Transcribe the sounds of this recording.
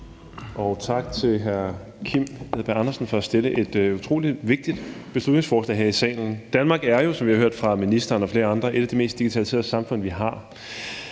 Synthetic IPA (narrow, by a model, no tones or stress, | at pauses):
ɒ̽ʊt͡sʰɑ̈ɡ̥̚t͡sʰe̝lɦæɐ | kʰim̰eðˠb̥æɑnɐsn̩fɒ̽æsd̥eləʔe̝d̥ut͡sʰʁo̝̰ːliʋe̝ɡ̥̚d̥id̥b̥e̝slud̥ne̝ŋsfɒːslɛ̰ɦeɐ̰isɛ̰ːln̩d̥ænmɑ̈ːɡ̥æɐjo̝sɒ̽mʋihɑ̈ɦø̰ɐ̰d̥fʁɑ̈minisd̥ɐːnɒ̽fle̝ːɐɑ̈nd̥ʁɐʔe̝ɾ̥æd̥ime̝̰ːsd̥iɡ̥it͡sʰɛ̰ːlse̝ːɐ̰sɑ̈mfɔ̽n̰ʋiɦɑ̈